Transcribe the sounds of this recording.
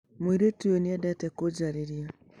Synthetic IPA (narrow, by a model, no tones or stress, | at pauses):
moiɾetujoniɛdɛtɛkod͡ʒaɾeɾja